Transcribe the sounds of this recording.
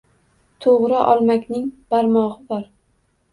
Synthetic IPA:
t̪ʰoʁɾɪʔɒ̰lˠmakʲnɪŋb̥aɾmɒʁɨbɒɾ

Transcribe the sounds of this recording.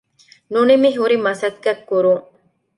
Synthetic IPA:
nunimiɦuɾimɐsɐt̪̚kːɐkːuɾu

